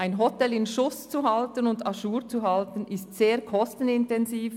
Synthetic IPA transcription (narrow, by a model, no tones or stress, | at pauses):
aɪnɦɔtɛlɪnʃʊst͡suɦɑltənʊndɑʃuːʁt͡suɦaɑltənɪstseːɐkʰɔstən̩ɪntɛnziːf